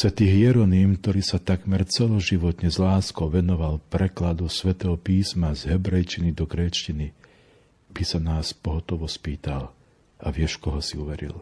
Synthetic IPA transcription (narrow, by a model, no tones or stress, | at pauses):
sʋɛt̪iːɦɪjɛɾɔniːmkt̪ɔɾiːsat̪aɡmɛɾt͡sɛlɔʒiʋɔt̪ɲɛzlaːskɔʊʋɛnɔʋalpɾɛklad̪usʋɛt̪ɛɦɔpiːsmazɦɛbɾɛjt͡ʃinid̪ɔɡɾɛːt͡ʃcini | bisanaːspɔɦɔt̪ɔʋɔspiːt̪al | aʋɪɛʃkɔɦɔsiuʋɛɾḭl